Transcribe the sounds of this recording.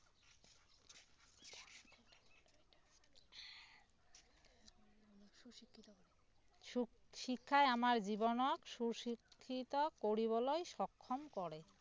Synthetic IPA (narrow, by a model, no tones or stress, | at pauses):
ʃikʰːaeamaɾd͡ʑibonokʃuɾʃikʰːit̪okoɾiβɔlojʃɔkʰːomkɔɾe